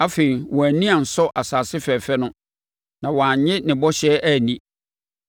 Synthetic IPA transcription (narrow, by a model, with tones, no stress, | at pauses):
a˦fe˨ɾi˨wɔ̃˨æ˨nĩ˦a˨n̩˨sɔ˦ʔa˨saː˨sɪ˦fɛ˨fɛ˦nʊ̃˦ | nã˨wɔ̃˨ã˨ɲɪ̃˦nɪ̃˨bɔ˦ɕɛː˦ʔæ˦˨nĩ˦